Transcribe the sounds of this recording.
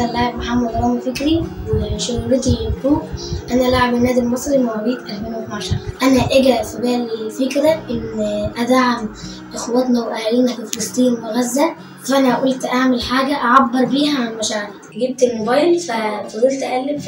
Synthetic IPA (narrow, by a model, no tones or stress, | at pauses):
ællaʕebmaħamːæd̪ɑɾˤɑːmifekɾiweʃoɣlet̪ibuːʔʔænæʔlaʕebenːæːd̪ilmɑsˤɾimoʕabiːt̪ʔælfeːnwet̪naʕʃɑɾˤʔænæʔeɡæfibæːlfekɾæʔenʔæd̪aʕam | ʔexowæt̪næweʔæhliːnæfefelɑsˤt̪ˤiːnwenæzːæ | fæʔænæʔæʔolt̪ʔaʕmelħaːɡæʔaʕabːeɾˤbiːɦæʕanmæʃaːʕlæ | ɡib̚t̪elmobæjlfæfɑzˤilt̪ʔælːeb